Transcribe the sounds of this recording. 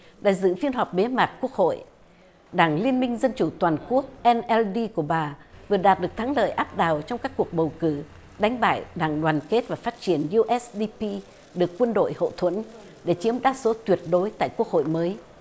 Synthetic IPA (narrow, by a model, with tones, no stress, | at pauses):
ɗa̰ː˧˨jzɨ̰˧˨fi˧ənɦa˨˩k͡p̚ɓe˨˦maː˨˩t̚ku˦˥ək̚ho̰˧˨j | ɗaː˧˩ŋli˧ənmï˧ŋ̟zə˧nt͡ɕu˧˩t̪waː˨˩nku˦˥ək̚ʔɛ˧nʔɛ˧lɗi˧ku˧˩əɓaː˨˩vɨ˨˩əɗaː˨˩t̚ɗɨ˨˩ək̚t̪ʰa˨˦ŋlə̰ː˧˨jʔaː˦˥p̚ɗaː˨˩wt͡ɕɔ˧wŋ͡mkaː˦˥kːu˨˩ək̚ɓə˨˩wkɨ˧˩ | ɗa˨˦ŋ̟ɓa̰ː˧˨jɗaː˧˩ŋɗwaː˨˩nke˦˥t̚vaː˨˩faː˦˥t̚t͡ɕi˧˩ənju˧ʔɛ˦˥sɗi˧pi˧ | ɗɨ˨˩əkːwə˧nɗo̰˧˨jho̰˧˨t̪ʰwə˧˥n | ɗe˧˩t͡ɕi˨˦əmɗaː˧so˨˦t̪wi˨˩ət̚ɗo˨˦jt̪a̰ː˧˨jku˦˥ək̚ho̰˧˨jməː˨˦j